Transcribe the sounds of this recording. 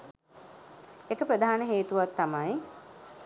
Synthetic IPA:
ekəpɾəd̪ʱaanəɦeːt̪uʋat̪ːamaj

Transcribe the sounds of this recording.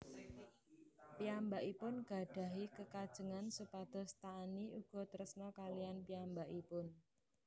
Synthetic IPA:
piambaʔipʊnɡ̥a̤ɖ̥ä̤ɦikəkad̥ʒ̥ə̤ŋansupad̪̥ɔ̤st̪aːniuɡ̥ɔ̤t̪əɾəsnɔkalijanpiambaʔipʊn

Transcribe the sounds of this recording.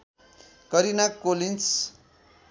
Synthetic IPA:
kʌɾinakːolins

